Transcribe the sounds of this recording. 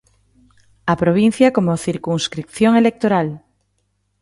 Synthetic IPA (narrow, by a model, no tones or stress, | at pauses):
apɾoβ̞in̟θjakomoθiɾkuŋskɾik̚θjoŋelek̚t̪oɾal